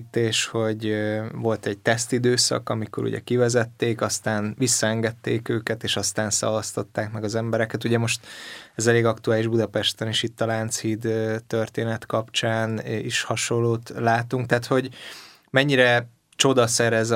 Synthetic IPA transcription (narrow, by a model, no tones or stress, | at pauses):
t̪ːeːʃho̞ɟvo̞lt̪ɛɟ̚t̪ɛst̪id̪øːsɒ̰kɒmiko̞̰ɾṵɟɛ̰kivɛzɛt̪ːeːkɒst̪aːnvisːɒɛŋɡɛt̪ːeːkøːkɛt̪eːʃɒst̪aːnsɒ̰vɒst̪o̞t̪ːaːkmɛɡɒzɛmbɛɾɛkɛt̪uɟɛmo̞ʃt̪ɛzɛleːɡɒkt̪uaːliʒbud̪ɒpɛʃt̪ɛniʃit̪ːɒlaːnt̪shiːd̪t̪ːørt̪eːnɛt̪kɒpt͡ʃaːniʃhɒʃo̞lːoːt̪laːt̪uŋk̚t̪ɛːt̪ho̞ɟ | mɛɲːiɾɛ | t͡ʃo̞d̪ɒsɛɾɛz